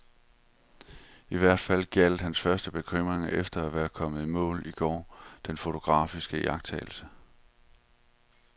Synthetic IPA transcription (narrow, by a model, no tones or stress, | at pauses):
iʋæɐ̰d̥fæl̰ɡ̥æl̰d̥hænsfɶɐsd̥əb̥e̝kʰʁøm̰ʁeŋʔefd̥ɐæʋæːɐkʰɒ̽m̰əð̩ˠmɔ̰̽ːliɡ̥ɒ̰ːd̥enfo̝t͡sʰo̝ɡ̥ʁɑ̰̈ːfisɡ̥əjɑ̈ɡ̥̚t͡sʰɛ̰ːɪl̩sə